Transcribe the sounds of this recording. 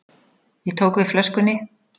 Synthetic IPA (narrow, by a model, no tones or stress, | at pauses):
jɛt̪ʰoːwkvɪð̥flœskʏnːɪ